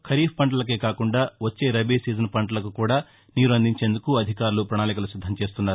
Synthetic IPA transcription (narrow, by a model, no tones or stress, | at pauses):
kʰɐɾiːpʰpɐɳʈɐlɐk̬eːkaːkuɳɖaːʋɐt͡ʃːe̞ːɾɐbiːsiːzɐnpɐɳʈɐlɐkukuːɽaː | niːɾuɐnd̪iɲt͡ʃe̞ːnd̪ukuɐd̪ʱikaːɾulupɾɐnaːlikɐlusid̪ʱːɐmt͡ʃe̞ːst̪unːaːɾu